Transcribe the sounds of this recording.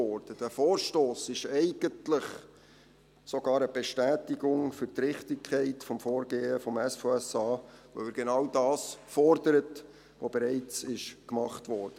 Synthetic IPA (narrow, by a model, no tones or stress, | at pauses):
ɔɾd̥əd̥æfoːɾʃtoːsɪʃɛɪɡəntlɪχ | soɡ̥ɑːɾəb̥eʃtæːtiɡʊŋfʏɾtɾɪχtɪkʰːɛɪtfɔmfoːɾɡeːəfɔmɛsfoɛsɑːʋo̰ɪɾɡ̥enɑwdɑːsfɔrdəɾət | ʋobeɾɛɪt͡sɪʃkmɑχtʋɔːɾd̥ə